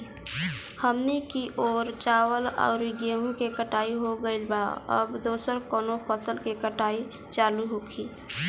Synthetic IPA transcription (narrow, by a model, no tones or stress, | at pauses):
həmnikiʔoːɾt͡ʃaːwəlɔ̰ʊɾiɡeɦũkekəʈaːiɦoɡəɪlba̰ə̰bd̪oːsəɾkoːnopʰəsəlkekəʈaːi | t͡ʃaːluɦokʰi